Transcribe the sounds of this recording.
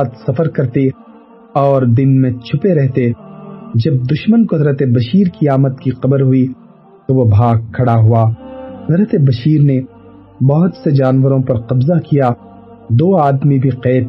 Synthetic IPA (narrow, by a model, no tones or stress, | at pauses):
t̪sɐfəɾkɐɾt̪e | ɔːɾd̪ɪnmẽt͡ʃʰʊpeɾɛɦt̪e | d͡ʒɐb̚d̪ʊʃmənkoɦɐzɾət̪ebɐʃiːɾkiaːmət̪kiqɐbəɾɦʊi | t̪oʋobʱaːɡ̚kʰːɐɽaɦuaːɦɐzɾət̪ebɐʃiːɾne | bɐɦʊt̪sed͡ʒaːnʋəɾõpɐɾqɐbzakija | d̪oːaːd̪mibʱiqɛːt̪